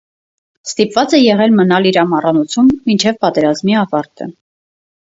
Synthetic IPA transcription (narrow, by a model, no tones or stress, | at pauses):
st̪ipvɑt͡sɛjɛʁɛlmənɑliɾɑmɑrɑnut͡sʰumːint͡ʃʰɛvpɑt̪ɛɾɑzmiɑvɑɾt̪ʰə̰